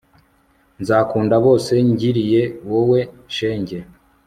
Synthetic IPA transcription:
nzaːkuːndaβo̞ːse̞ɲɟiɾije̞wowe̞ | ʃe̞ːɲɟe̞

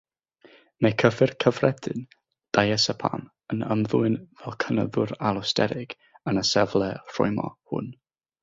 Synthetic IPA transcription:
mekʰəvɨrkʰəvrɛdɨn | d̥ajɛsɛpʰa̰m | ənə̰mðuɨnvɛlˠkʰənə̰ðʊɾalˠɔstɛ̰ɾɪɡ̥ | ənəsɛvlˠɛr̥ʊ̰jmɔ̰hʊ̰n

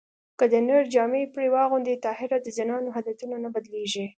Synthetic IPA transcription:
kəd̪ənəɾd͡ʒɑmepɽewɑɣʊnd̪et̪ɑhɪɾad̪əzanɑnoɦad̪at̪unanabad̪leʒi

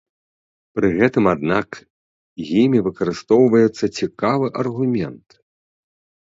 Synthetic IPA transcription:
pɾɨɣɛt̪ɨmad̪nak | jimʲivɨkɐɾɨst̪ɔwvɐjɛt̪sːɐt͡sʲikavɨʔɐrɣumʲɛnt̪

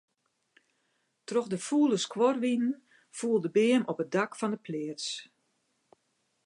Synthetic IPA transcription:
troxdəfuːlˠəskʰwɔrʋinən | fuːəlˠdəbɪəmɔpət̚dakfɔndəpʰlɪəts

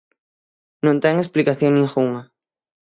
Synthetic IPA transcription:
nõnt̪ɛŋesplikaθjoŋnĩŋxuŋɐ

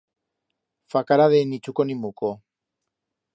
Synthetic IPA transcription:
fakaɾaðenit͡ʃukonimuko

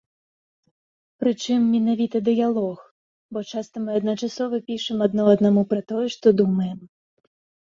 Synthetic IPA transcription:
pɾɨt͡ʂɨmːʲinavʲit̪ɐd̪ɨjalˠɔx | bɔt͡ʂast̪ɐmɨɐd̪nɐt͡ʂasɔvɨpʲiʂɨmɐd̪nɔɐd̪namupɾɐt̪ɔjɛʂt̪ɔd̪umɐjɛm

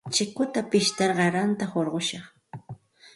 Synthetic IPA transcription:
t͡ʃɪkʊt̪apɪʃt̪ɑɾɢɑɾant̪ahoɾɢoʃɑχ

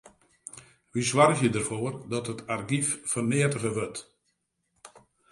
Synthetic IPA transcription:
ʋiswɔrɣjədərfoərdɔtətʰarɡiffərnɪətəɣəʋøt

